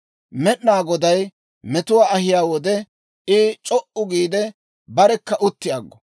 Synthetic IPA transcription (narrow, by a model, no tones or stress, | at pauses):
mɛɗnaːɡɔd̪ɐj | mɛt̪ʊwaːɐhɪjaːwɔd̪ɛ | ɪt͡ʃʼɔʔʊɡiːd̪ɛ | bɐɾɛkːɐʔʊt̪ːɪjaːɡːɔ̥